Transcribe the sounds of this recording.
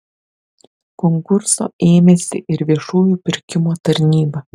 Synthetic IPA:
kɔŋkʊɾso̰ːeːmʲesʲɪ̰ʔɪɾʋʲiɛʃuːjuːpʲɪɾʲkʲɪmoːt̪ɐɾʲnʲiːbɐ

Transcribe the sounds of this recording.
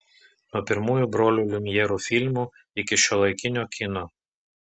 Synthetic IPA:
nuɔpʲɪɾmuːjuːˑbɾoːlʲuːlʲʊmʲjɛɾuːfʲɪlʲmuː | ɪkʲɪʃʲoːlˠɐɪkʲɪnʲoːkʲɪno

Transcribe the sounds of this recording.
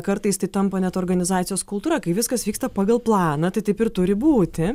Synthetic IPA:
kɐɾt̪ɐɪst̪ɐɪt̪ɐmpɐnʲɛt̪oːrɡɐnʲɪzɑːt̪sʲɪjoːskʊlˠt̪uːɾɐkɐɪʋʲɪskɐsʋʲiːkst̪ɐpɑːɡɐlˠplˠɑːnɐt̪ɐɪt̪ɐɪpɪrt̪ʊɾʲɪbuːt̪ʲɪ

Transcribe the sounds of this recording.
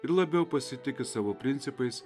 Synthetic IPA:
ɪɾlˠɐbʲɛʊpɐsʲɪt̪ʲɪkʲɪsɑːʋoːpʲɾʲɪnʲt̪sʲɪpɐɪs

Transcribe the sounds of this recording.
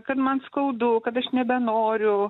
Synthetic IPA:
kɐt̪mɐnskɐʊd̪ʊkɐt̪ɐʃnʲɛbʲɛnoːɾʲʊ

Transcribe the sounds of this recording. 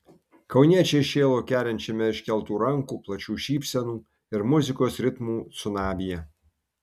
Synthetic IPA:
kɒʊnʲiɛt͡ʃʲɛʃʲeːlˠoːkʲæːɾʲɛnʲt͡ʃʲɛmʲɛɪʃʲkʲɛlˠt̪uːɾɐŋkuːplˠɐt͡ʃʲuːʃʲiːpʲsʲɛnuː | ɪɾmʊzʲɪkoːsɾʲɪt̪muːt̪sʊnɑːbʲɪjɛ

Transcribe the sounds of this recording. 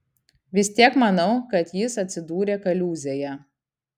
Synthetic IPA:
ʋʲɪsʲt̪ʲiɛkmɐnɐʊkɐt̪jɪsɐt̪ʲsʲɪd̪uːɾʲeːkɐlʲuːzʲejɛ

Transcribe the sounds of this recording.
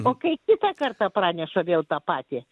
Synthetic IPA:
oːkɐɪkʲɪt̪ɐkɐrt̪ɐprɑːnʲɛʃoːʋʲeːlˠt̪ɑːpɑːt̪ʲɪ

